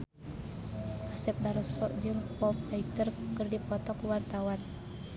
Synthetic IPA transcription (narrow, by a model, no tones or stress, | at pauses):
ʔasɛp̚daɾɔsɔ̰ʔd͡ʒɨŋpɔp̚ait̪ərkɨrdipɔt̪ɔkuwart̪awan